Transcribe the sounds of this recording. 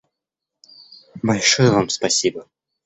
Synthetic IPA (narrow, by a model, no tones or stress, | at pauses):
bɐlʲʂɔjəvamspasʲibɐ